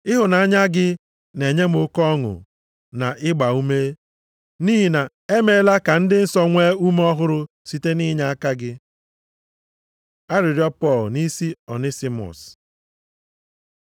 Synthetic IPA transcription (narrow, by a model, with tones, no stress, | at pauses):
ɪ˦ɦʊ˨na˨a˦ɲa˦ɡɪ˦ | ne˨ɲe˦m˦o˦kɔ˦ŋʊ̰˨ | na˨ʔɪ˦ɡ͡ba˨u˦me˦ | niː˦ɦi˨na˨ | e˦me˨˦la˦ka˨n̩˦dɪ˦n̩˦sɔ˦ŋʷeː˦u˦m˦ɔ˦ɦʊ˦ɾʊ˦ | si˦te˦ni˦ɲa˦a˦ka˦ɡɪ˦ | a˦ɾɪ˨ɾjɔ˦pɔ˦˨lni˦si˦ɔ˨ni˦si˦mɔ̰˨s